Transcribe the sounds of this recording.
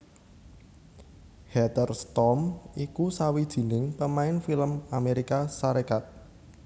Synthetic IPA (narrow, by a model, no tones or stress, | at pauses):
hɛt̪ərst̪ɔmikusawid̥ʒ̥i̤nɪŋpəmaɪnfiləmameɾikasaɾekat̪̚